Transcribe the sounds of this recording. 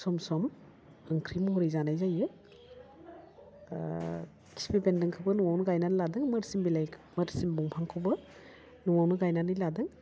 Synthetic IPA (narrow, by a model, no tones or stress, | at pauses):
sɔmsɔm | ɯŋkʰɾimɔɦɔɾijzanajzajɯ | kʰi̥sbebendɯŋkʰɯbɯnɔwawnɯɡajnanladɯŋmɯɾsimbilajʰməɾsimbɔŋpʰaŋkʰɯbɯ | nuwawnɯɡajnanijladɯŋ